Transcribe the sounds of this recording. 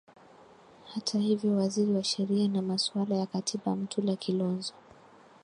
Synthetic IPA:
hatʰahivjɔwaziɾiwaʃɛɾianamaswalajakatʰiɓam̩tʰulakʰilɔnzɔ

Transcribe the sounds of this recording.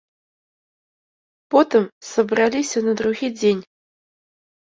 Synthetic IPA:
pot̪ɨmsɐbralʲisʲɐnɐd̪ɾuɣʲid͡zʲenʲ

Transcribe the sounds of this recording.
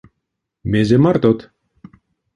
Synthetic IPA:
mezemart̪ot̪

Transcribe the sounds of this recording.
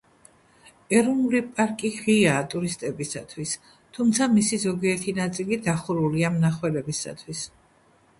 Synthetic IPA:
ɛɾɔnulipʼaɾkʼiʁiaːt̪ʼuɾist̪ʼɛbisat̪ʰwis | t̪ʰumt̪sʰamisizɔɡiɛɾt̪ʰinat̪sʼilid̪aχuɾuliamnaχwɛlɛbisa̰t̪ʰwis

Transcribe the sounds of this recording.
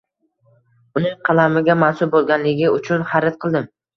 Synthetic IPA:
ʊnɪŋqʰɑlˠamɪɡʲamansʊl̚bolˠɡʲanlɪɡʲɪʊt͡ʃʰʊnhaɾɪt̪̚qʰɨlˠd̪ɪm

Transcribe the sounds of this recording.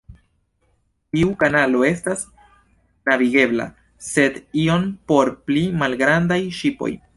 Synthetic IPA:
tiukanalo̞e̞stas | naviɡe̞bla̰ | se̞dio̞npo̞ɾplimalɡɾandajʃipo̞̰j

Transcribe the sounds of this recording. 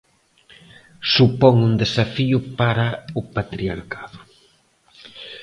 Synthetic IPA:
supɔŋund̪esafiʊpaɾaʊpat̪ɾiaɾkaðʊ

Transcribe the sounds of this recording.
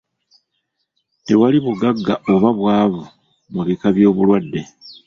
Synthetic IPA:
tewaliβuɡaɡːaʔoβaβwaːβu | muβikaβjo̞ːβulwadːe̞

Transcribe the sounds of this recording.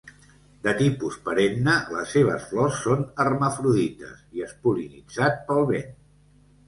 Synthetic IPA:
d̪ət̪ipuspəɾemnələ̰sːeβ̞ə̰sflɔsːonərməfɾuðit̪ə̰siəspulinid͡zat̪̚pəlˠβen

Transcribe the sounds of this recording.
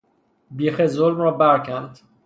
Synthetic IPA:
biːxezolmɾɒːbæɾcʰænd̪̥

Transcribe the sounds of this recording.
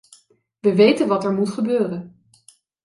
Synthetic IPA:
ʋəʋejtənʋɑtɛɹmutχəbøːrən

